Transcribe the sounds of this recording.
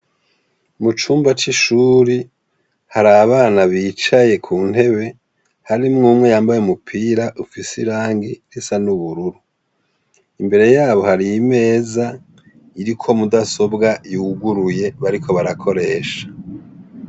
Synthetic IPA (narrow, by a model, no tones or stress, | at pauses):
mut͡ʃuːmbat͡ʃiʃuːɾi | haɾaβaːnaβiːt͡ʃaje̞kʰuːn̥he̞βe̞ | haɾimŋuːmŋe̞jaːmbajemupʰiːɾaʔufisiɾaːŋɡiɾisanuβuɾuɾu | imbe̞ɾe̞jaːβo̞haɾijime̞ːza | iɾikʰo̞mudaso̞bɡajuɡuɾuje̞βaɾikʰo̞βaɾakʰo̞ɾe̞ːʃḁ